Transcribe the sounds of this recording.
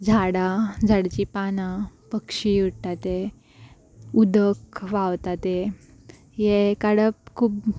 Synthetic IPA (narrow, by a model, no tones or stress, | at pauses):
d͡zʱaɽad͡zʱaɽt͡ɕipanapəkʂijuɽʈat̪e | ud̪əkʋawt̪at̪e | jekaɽəp̚kʰuːp